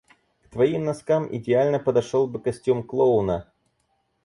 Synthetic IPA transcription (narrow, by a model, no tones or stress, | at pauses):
kt̪vɐimnɐskamʔɪ̰dʲɪalʲnəpəd̪ɐʂolˠbɨkɐsʲtʲumklˠoʊnə